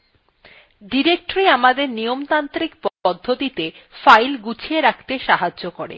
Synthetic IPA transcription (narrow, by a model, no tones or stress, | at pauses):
ɖiɾek̚ʈoɾiamad̪eɾnijomt̪ant̪ɾik̚pɔd̪ʱːot̪it̪efajlɡut͡ɕʰieɾakʰt̪eʃaɦad͡ʑːokoɾḛ